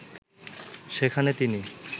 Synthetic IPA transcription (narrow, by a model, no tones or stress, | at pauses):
ʃekʰanet̪ini